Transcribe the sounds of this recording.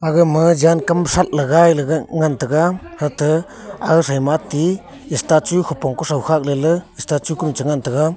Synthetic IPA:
aɡɯmɯd͡ʒankamsat̚laɡajlɯɡaŋantɯɡahɯtɯ | a̰ɡɯsajmatiː | stat͡ʃujhʰupɔŋkusawhak̚lelɯistat͡ʃujkumt͡ʃəŋantɯɡa

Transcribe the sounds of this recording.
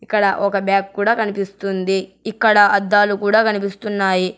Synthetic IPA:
ikːɐɽɐʔɔkɐbjaːkkuːɽaːkɐnipist̪und̪iikːɐɽɐɐd̪ːaːlukuːɽaːkɐnipist̪unːaːji

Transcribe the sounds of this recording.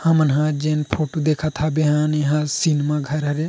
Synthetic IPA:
hamənɦãd͡ʒenpʰoʈod̪ekʰat̪ʰabeɦãneɦãsinmaɡʱəɾɦɐɾe

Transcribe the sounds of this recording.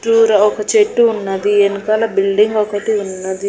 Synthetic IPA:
ʈuːɾɐɔkɐt͡ʃeʈːuːnːɐd̪ienukɐlɐbilɖiŋɡɔkɐʈiunːɐd̪i

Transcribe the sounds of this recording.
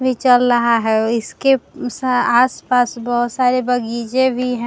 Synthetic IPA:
bʱit͡ʃəlɾɐɦaɦɛɪskesaːspaːsbɔɦʊt̪saːɾebɐɡiːd͡ʒẽbʱiɦɛ̃

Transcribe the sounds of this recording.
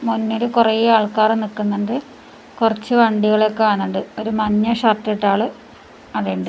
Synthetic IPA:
munːoɾukurɐjiaːɭkaːrɨnikːunːɐndɨ | kurɐt͡ɕːɨʋɐɳɖiɣɐɭokːeaːnuɳɖɨo̞ɾumɐɲːɐɕɐrʈːeʈːaːɭɨ | ɐðeːɳɖɨ

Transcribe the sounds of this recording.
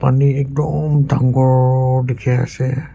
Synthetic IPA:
paniɛk̚dɔmdʱaŋɡɔɹdekʰɛa̰sɛ

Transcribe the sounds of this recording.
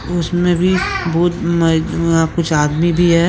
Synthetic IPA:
ʊsmẽbʱibɔːt̪mɐɦãkʊt͡ʃʰaːd̪mibʱiɦɛː

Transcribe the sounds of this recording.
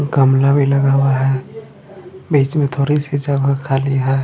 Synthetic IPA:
ɡəmlabʱiləɡaːwaɦɛː | biːt͡ʃmẽt̪ʰoːɾisid͡ʒabɦəkʰaːliɦɛː

